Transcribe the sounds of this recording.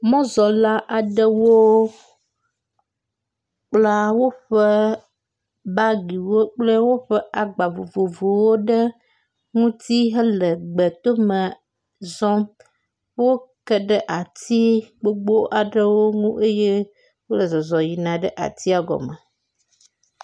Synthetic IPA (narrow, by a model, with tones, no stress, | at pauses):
mɔ̃˦zɔ˨la˦ʔa˨ɖə˦wo˦ | k͡pla˦wo˦ɸə˦ | ba˦ɡi˨wo˦k͡plə˦wo˦ɸə˦a˨ɡ͡ba˨vo˨vo˨vo˨wo˦ɖə˦ | ŋũ˦t̪i˦ɦə˦lə˨ɡ͡bə˨t̪o˦mə˨ | zɔ˦ | wo˦kə˦ɖə˦ʔa˨t̪i˦ɡ͡bo˦ɡ͡bo˦ʔa˨ɖə˦wo˦ŋũ˦ʔe˦je˦ | wo˦lə˨zɔ˨zɔ˨ji˨nã˨ɖə˦ʔa̰˨t̪i˦a˨ɡɔ̰˨mə˨